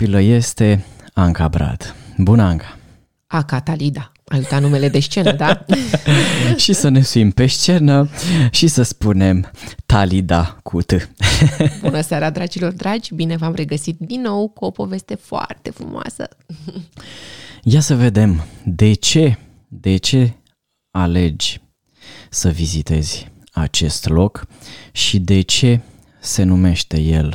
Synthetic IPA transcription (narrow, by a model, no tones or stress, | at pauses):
piləje̞st̪e̞aŋkabɾa̰d̪bunəaŋkḁ | akat̪alid̪a | ajut̪at̪nume̞le̞d̪eʃt͡ʃe̞nəd̪a | ʃisəne̞suimpe̞ʃt͡ʃe̞nəʃisəspune̞mt̪alid̪akʰut̪ɨ | bunəseaɾad̪ɾad͡ʒilo̞rd̪ɾad͡ʒʲbine̞vamre̞ɡəsit̪̚d̪inːo̞wkuo̞po̞ve̞st̪e̞foa̰rt̪e̞fɾumoa̰sə̰ | jasəve̞d̪e̞md̪e̞t͡ʃe̞ | d̪e̞t͡ʃe̞ | ale̞d͡ʒʲ | səvizit̪e̞z̥ʲ | a̰t͡ʃe̞st̪lo̞kʃid̪e̞t͡ʃe̞ | se̞nume̞ʃt̪e̞je̞̰l